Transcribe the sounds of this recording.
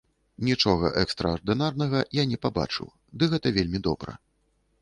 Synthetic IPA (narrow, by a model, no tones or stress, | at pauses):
nʲit͡ʂɔɣɐ̰ʔɛkst̪ɾɐɐrd̪ɨnarnɐɣɐjanʲɛpaba̰t͡ʂɨ̰w | d̪ɨɣɛt̪ɐvʲelʲmʲid̪ɔbɾɐ̰